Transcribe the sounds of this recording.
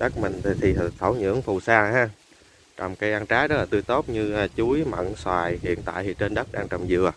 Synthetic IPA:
ɗə˦˥k̚mï˨˩ŋ̟˨˩t̪ʰi˨˩˨t̪ʰə˧˩˦wɲɨ̰˧˥əŋfu˨˩saː˧haː˧ | t͡ɕɔ˨˧˩wŋ͡mkaː˨˦jʔaː˧nt͡ɕaː˨˦jɗɔ˨˦laː˨˩t̪ɨ˧ət̪o˦˥t̚ɲɨ˧˨˩t͡ɕu˨˦jma̰˧˨nswaː˨˩jhḭ˧˨ənt̪a̰ː˧˨jt̪ʰi˨˩t͡ɕe˧nɗə˦˥k̚ɗaː˧ŋt͡ɕə˨˩wŋ͡mzɨ̰˧˨ə

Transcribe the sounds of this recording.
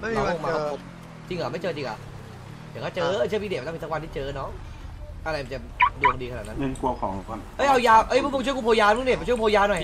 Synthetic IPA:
m˥a˨˧˦o˧maː˧kːpʰo˨˧˩p̚ | t͡ɕi˧ŋla˨˩ma˥˩jt͡ɕɤː˧t͡ɕi˧ŋʔa̰˨˩ | ja˨˩ŋkʰa˧˥˩t͡ɕɤː˧˦˧t͡ɕʰɯ˥˩pʰi˧dm̚˦˧a˥˩˧i˧˦wa˧t̪ʰiː˥˧t͡ɕɤː˧nɔ˦˥ | ʔa˧ɾa˧jma˨˩˦t͡ɕa˨˩du˧ŋdiː˧ka˧na˨˩na˦˥˦ŋə˧nku˧ɐkʰɔː˨˩˦ŋ˧˩a˧˩nʔɤ˦˥jʔa˧wjaː˧wʔɤ˦˥˩jpʰu˥˩mo˧ŋt͡ɕʰu˥˩ku˧pʰoː˧jaː˧˦˥de˨˩m̚ʰ˧u˥˩ku˧poː˧jaː˧nɔ˨˩j

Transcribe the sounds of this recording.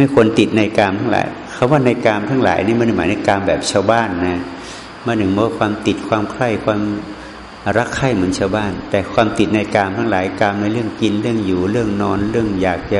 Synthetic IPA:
ma˥˩jkʰo˧nt̪i˨˩t̪̚na˧jkaː˧mt̪ʰa˥˩ŋla̰ː˨˦j | kʰa˧˥˦waː˥˩na˧jkaː˧mt̪ʰa˥˩ŋla̰ː˩˦jniː˥˩ma˧n˩maː˨˦jna˧jkaː˧mbɛː˨˩p̚t͡ɕʰaː˧wbaː˥˩nːa˦˥ | ma˧˥˩ntːɯ˨˩ŋbɔ˧˦˥wa˥˩kwaː˧mt̪i˨˩t̪̚kʰwaː˧mkʰla˥˩jkʰwaː˧m | ɾa˦˥kʰːa˥˩jmɯ˩˦ənt͡ɕʰaː˧wbaː˥˩nt̪ɛː˨˩kʰwaː˧mt̪i˨˩t̪̚na˧jkaː˧mt̪ʰa˥˩ŋlaː˨˩˦jkaː˧mna˧jɾɯ˥˩əŋki˧nɾɯ˥˩əŋjuː˨˩ɾɯ˥˩əŋnɔː˧nɾɯ˥˩əŋjaː˨˩k̚t͡ɕa˧˩

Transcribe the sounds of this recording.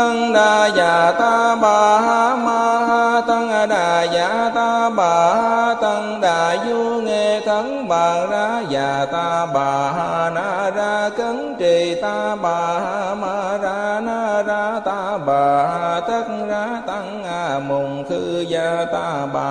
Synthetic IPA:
ə˧ŋɗaː˨˩zaː˨˩t̪aː˧ɓaː˨˩ɦaː˧˥maː˧˩hɦa˧t̪ə˧ŋʔa˧ɗaː˨˩zaː˧˦t̪aː˧ɓaː˨˩ha˧t̪ə˧ŋɗaː˨˩zu˧ŋe˧t̪ʰə˨˦ŋɓaː˨˩zaː˧˥zaː˨˩t̪aː˧ɓaː˨˩ɦaː˧naː˧zaː˧kə˨˦ŋt͡ɕi˨˩t̪aː˧ɓaː˨˩haː˧maː˧˩zaː˧˦naː˧zaː˧˥t̪aː˧ɓaː˨˩ɦa˧t̪ʰə˦˥k̚zaː˧˥t̪a˧ŋʔa˧˩mʊ˨˩ŋ͡mt̪ʰɨ˧zaː˧˩t̪a˧ɓa˨

